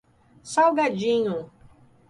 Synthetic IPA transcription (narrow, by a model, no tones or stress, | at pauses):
sawɡad͡ʒĩɲʊ̃